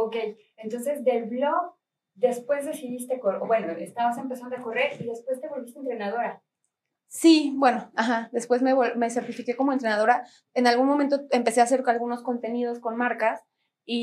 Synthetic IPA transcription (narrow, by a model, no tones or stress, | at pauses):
okej | ent̪o̞nse̞zd̪elβloɣ | d̪e̞spwe̞zðe̞siðist̪ekobwe̞noest̪aβase̞mpesand̪oako̞re̞ɾiðe̞spwe̞st̪e̞βo̞lβist̪ent̪ɾe̞naðo̞ɾa | sibwe̞no̞axaðe̞spwe̞zme̞βome̞se̞ɾt̪ifike̞ko̞moent̪ɾe̞naðo̞ɾa | enalɣunmõment̪oempe̞se̞ase̞ɾkalɣuno̞sko̞nt̪e̞nið̞o̞sko̞nmaɾkas | i